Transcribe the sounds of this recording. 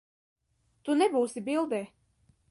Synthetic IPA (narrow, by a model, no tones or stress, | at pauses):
t̪unɛbuːsibilˠd̪ɛ